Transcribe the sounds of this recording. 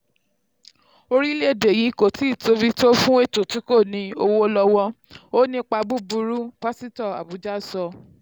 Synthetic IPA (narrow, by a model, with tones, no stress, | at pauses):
o˧ɾi˦le˦e˨de˨ji˨˦ko˦˨ti˨˦˨to˧bi˦to˦fũ˦e˦˨to˨ti˨˦ko˦˨nĩ˧˦o˧wo˦lɔ˧wɔ˦ | o˦nĩ˧k͡pa˧bu˦bu˧ɾu˦pa˦si˦tɔ˦˨a̰˨bu˨˦d͡ʒa˦˨sɔ˧